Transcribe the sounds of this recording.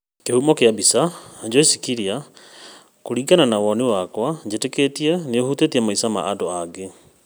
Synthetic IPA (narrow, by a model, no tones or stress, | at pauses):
kehumɔkeabisad͡ʒɔisikiɾia | koɾiɡananawɔnewakwad͡ʑeteketiɛneohutetiamaisama̰ʔadɔaɡe